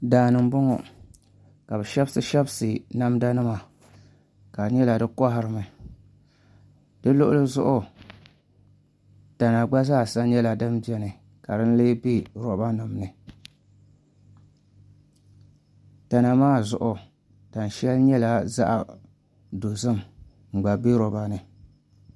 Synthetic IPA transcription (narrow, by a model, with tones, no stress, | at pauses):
daː˨nɨ˨m˨bʊ˦ŋɔ˨ | ka˨bɨ˨ʃɛ˦bsɨ˨ʃɛ˦bsɨ˨na˦mda˦nɨ˦ma˨ | ka˨ɲɛ˦la˨dɨ˦kɔ˦ɦɪ˦ɾɨ˨mɨ˨ | d̥ɨ˦lʊ˦ʔʊ˦lɨ˦zʊ˦ʔʊ˨ | ta˨na˨ɡ͡ba˦zaː˦˨sa˦ɲɛ˦la˨dɨ˦mbɛ˦nɨ˨ | ka˨dɨ˦n˦leː˦bi˦ɾɔ˨ba˦nɨ˨mnɨ˨ | ta˨na˨maː˦zʊ˨ʔʊ˨ | ta˨n˨ʃɛ˦lɲɛ˦la˨za̰˦ʔa̰˨ | do˨zɨ˦m | ŋ͡m̩˨ɡ͡ba˨bi˦ɾɔ˨ba˦nɨ˨